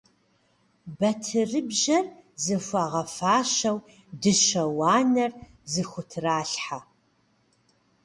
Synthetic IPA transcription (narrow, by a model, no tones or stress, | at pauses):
bɐtʰɨrɨbʑɐrzɨfʷɐʁɐfaːʃɐw | dɨʃɐwaːnɐr | zɨxʷʊtʰraːɬħa